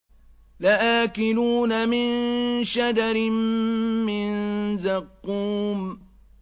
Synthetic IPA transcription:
laʔaːkɪnuːnamɪnʃadaɾɪmː | ɪnzɑqːuːm

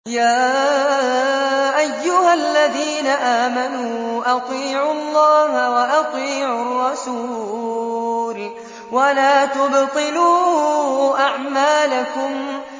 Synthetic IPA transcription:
jaː | ʔajːʊhalːaðiːnaʔaːmanuːʔɑt̪ˤiːʕʊɑlˤːɑːɦawaʔɑt̪ˤiːʕʊrˤːɑsuː | l | walaːt̪ʊbt̪ˤɨluː | ʔaʕmaːlakʊm

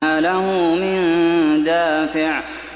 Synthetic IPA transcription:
alahʊmɪnd̪aːfɪʕ

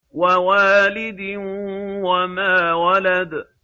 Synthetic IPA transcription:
wawaːlɪd̪ɪnwamaːwalad̪

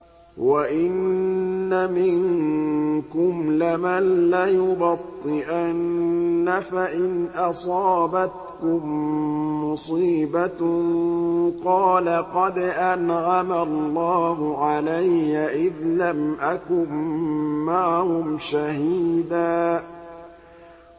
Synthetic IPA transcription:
waʔɪnː | amɪŋ | kʊmlɪmanlajʊbɑt̪ˤːɨʔanːafaʔɪnʔɑsˤɑːbat̪kʊmː | ʊsˤiːba | qɑːlaqɑd̪ʔanʕamalːɑːɦʊʕalajːaʔɪðlamʔakʊmː | aʕahʊmʃahiːd̪aː

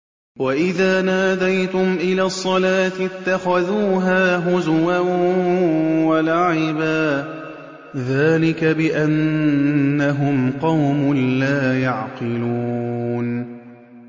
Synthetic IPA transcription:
waʔɪðaːnaːd̪ajt̪ʊmʔɪlaːsˤːɑlaːt̪ɪɪt̪ːaxaðuːɦaːɦʊzʊwa | walaʕɪbaː | ðaːlɪkabɪʔanː | aɦʊmqɑwmʊnlaːjaʕqɪluːn

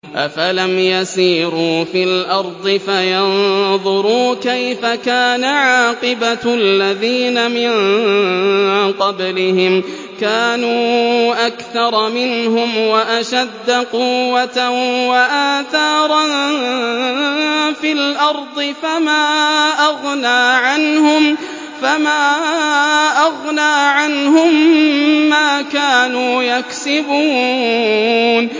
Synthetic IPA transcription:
ʔa̰falamjasiːɾuːfilʔɑɾˤd̪ˤɨfajɑnðˤʊɾuːkajfakaːnaʕaːqɨbalːaðiːnamɪn | qɑblɪhɪm | kaːnuːʔakθɑɾˤɑmɪnɦʊmwaʔaʃad̪ːaqʊwːat̪awaʔaːθɑːɾˤɑn | filʔɑɾˤd̪ˤɨfamaːʔɑɣnaːʕanhʊm | famaː | ʔɑɣnaːʕanhʊmː | aːkaːnuːjaksɪbuː | n

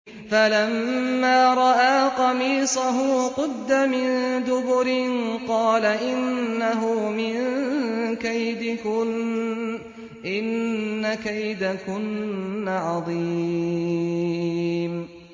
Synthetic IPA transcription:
falamːaːɾˤɑʔaːqɑmiːsˤaɦʊqʊd̪ːamɪnd̪ʊbʊɾɪnqɑːlaʔɪnːaɦʊmɪn | kajd̪ɪkʊ | ʔɪnːakajd̪akʊnːaʕɑðˤiː | m

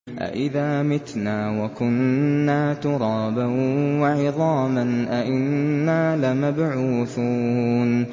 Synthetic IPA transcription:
ʔa̰ʔɪðaːmɪt̪naːwakʊnːaːt̪ʊɾˤɑːbawwaʕɪðˤɑːmanʔaʔɪnːaːlamabʕuːθuːn

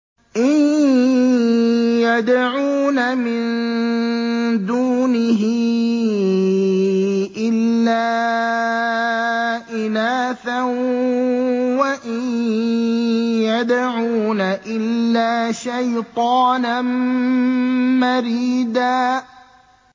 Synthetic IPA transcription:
ʔɪn | jad̪ʕuːnamɪnn | d̪uːnɪɦɪ | ʔɪlːaː | ʔɪnaːθan | waʔɪj | jad̪aʕunaʔɪlːaːʃajt̪ˤɑːnan | maɾiːd̪aː

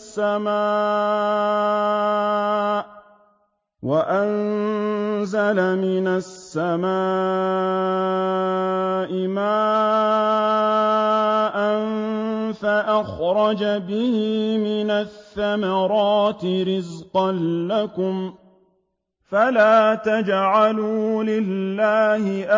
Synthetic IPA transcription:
sːamaː | waʔan | zalamɪnasːamaː | ʔɪmaː | ʔanfaʔaxɾˤɑd͡ʒabɪhɪmɪnaθːamɑɾˤɑːt̪ɪɾɪzqɑnːakʊm | falaːt̪ad͡ʒʕaluːlɪlːaːhɪʔ

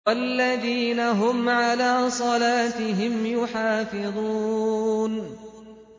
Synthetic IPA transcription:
walːaðiːnaɦʊmʕalaːsˤɑlaːt̪ɪɦɪmjʊħɑːfɪðˤuːn

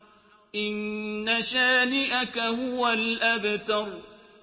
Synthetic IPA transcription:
ʔɪnːaʃaːniʔakahʊwalʔabat̪ɑɾ

